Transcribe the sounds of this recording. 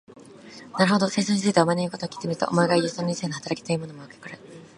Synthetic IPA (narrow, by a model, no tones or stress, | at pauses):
naɾɯ̟ho̞d̪o̞seisoɲit͡ssɨit̪eomaneiko̞t̪oːkʲi̥t̪emʲiɾɯ̟t̪o̰ʔomoeɡaijɯːsonɲisenohat̪aɾaki̥t̪ojɯːmo̞nomoɯkʲe̥koɾe